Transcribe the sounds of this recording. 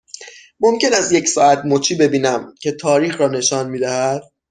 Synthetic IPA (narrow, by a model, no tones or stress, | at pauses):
mo̞mcʰe̞næzje̞csɒːæt̪mot͡ʃʰiːbe̞biːnæmcʰe̞t̪ʰɒːɾiːxɾɒːne̞ʃɒːnmiːd̪æhæd̪̥